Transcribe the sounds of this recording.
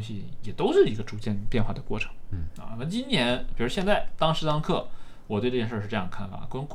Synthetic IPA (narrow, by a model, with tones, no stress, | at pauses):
ŋɕi˨˥jɛ˨˩t̪o˥ʊʂɻ̩˥˩i˧˥ɡə˧ʈ͡ʂu˨˩t͡ɕjɛ˥˧npjɛ˥˧nxwa˥˩d̪ə˩kwɔ̰˥˩ʈ͡ʂʰɤ̥˧˥˦ŋa̰˧˩na˧˥mə˥˧˩t͡ɕi˥nnjɛ˧˥npi˨˩u˥ɕjɛ˥˧t͡sa˥˩ɪt̪ɑ˥ŋʂɻ̩˥t̪ɑ˥ŋkʰɤ˥˩ | wɔ˨˩t̪we˥˧ɪʈ͡ʂt͡ɕjɛ˥˧ʂə˥˧ʂɻ̩˧ɤ˥˧jɑ˥˩kʰa˥˩nfa̰˨˩kk